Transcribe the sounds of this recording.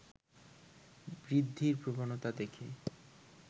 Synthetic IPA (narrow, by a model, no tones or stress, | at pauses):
bɾid̪ʱːiɾpɾobanot̪ad̪ekʰe